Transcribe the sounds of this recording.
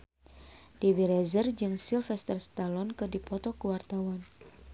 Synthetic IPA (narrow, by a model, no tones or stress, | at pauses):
d̥iwiɾɛzərd͡ʒɨŋsilfɛst̪ərst̪alɔnkɨdipɔt̪ɔkuwart̪awan